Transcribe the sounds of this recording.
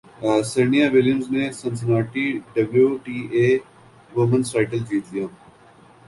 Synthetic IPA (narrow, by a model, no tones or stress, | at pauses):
senijaːʋɪljəmznesɐnsənaːʈiɖɐbljuʈiːeː | ʋomənsʈaːɪʈəld͡ʒiːt̪lijaː